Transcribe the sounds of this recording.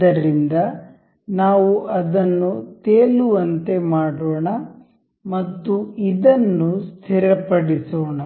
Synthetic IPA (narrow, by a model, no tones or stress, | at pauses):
ɐɾind̪ɐ | naːʋuʔɐd̪ɐnːut̪eːluʋɐnt̪e̞maːɽoːɳɐ | mɐt̪ːuid̪ɐnːust̪ʰiɾɐpɐɽisoːɳɐ